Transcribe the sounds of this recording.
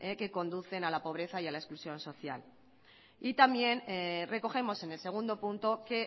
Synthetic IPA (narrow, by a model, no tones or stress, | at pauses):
eke̞ko̞nd̪uθe̞nalapo̞β̞ɾe̞θaialae̞sklusjõ̞nso̞θja̰l | it̪amje̞nre̞ko̞xe̞mo̞se̞ne̞lse̞ɣ̞und̪o̞punt̪o̞ke̞